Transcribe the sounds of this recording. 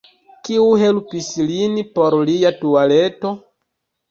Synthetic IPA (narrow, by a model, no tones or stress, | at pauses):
kiuɦelpislinpoɾliatualeto̞